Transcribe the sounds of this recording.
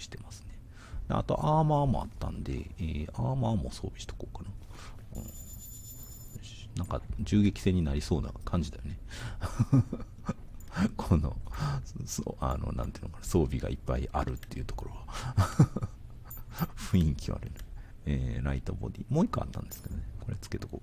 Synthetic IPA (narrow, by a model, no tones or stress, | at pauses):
ɕi̥t̪e̞masɨ̥ne̞ | d̪ea̰t̪o̞̰ʔaːmaːmo̞̰a̰t̪ːã̰nd̪e̞̰eːaːmaːmo̞so̞ːbʲi̥ɕi̥t̪o̥koːkana | ɯ̰̃ɴ | nãŋkad͡ʑɨːɡe̞kʲi̥sẽ̞ɲ̟ːinaɾʲiso̞ːna̰kʰãɲ̟d͡ʑid̪ajo̞ne̞ | kʰono̞̰ | soano̞̰nã̰nt̪eiɯ̟nokanaso̞ːbʲiɡaipːaiʔaɾɯ̟t̪ːe̞jɯ̟ːt̪o̞̥ko̞ɾo̞βa | ɸɯ̟ĩŋkʲiβa̰ɾɯn | eːɾait̪obo̞d̪ʲiːmoːikːoa̰t̪ːãnd̪e̞sɨ̥ke̞d̪oneko̞ɾe̞t͡sɨ̥ke̞t̪okoː